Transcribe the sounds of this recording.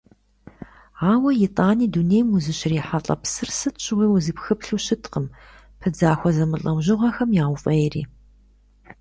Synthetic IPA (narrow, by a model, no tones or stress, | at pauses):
aːwɐjɪtʼaːniːdunejmuzɨɕɪriːħaɬʼɐ̰psɨrsɨtɕʼwiːwʊzipxɨpɬuːɕɪtʰqəm | pʰɨd͡zaːxʷɔzɐmɨɬʼɐwʑɪʁɐxɐmjaːwʷfʼɐjɛriː